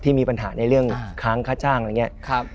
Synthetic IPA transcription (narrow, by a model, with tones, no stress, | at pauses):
t̪ʰiː˥˩miː˧pa˧nɦaː˩˦na˧jɾɯ˥˩əŋkʰaː˦˥˩ŋkʰaː˥˩t͡ɕaː˥˩ŋ˧ŋːi˦˥ɐ˦kʰp